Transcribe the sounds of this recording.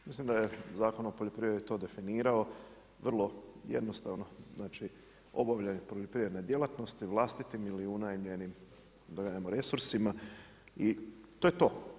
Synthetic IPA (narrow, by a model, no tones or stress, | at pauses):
mislimd̪ajezaːko̞nopoʎopɾiʋɾeɾit̪o̞ːd̪e̞finiːɾao̞ | ʋr̩lˠo̞jḛd̪nost̪aʋno̞znaːt͡ʃi | o̞̰baʋʎenepɾoʎopɾiʋed̪ned̪je̞lˠat̪no̞st̪iʋlˠaːst̪it̪imiliunajmʎe̞nim | d̪aɡaamoɾe̞suɾsima | it̪oːjet̪o̞ː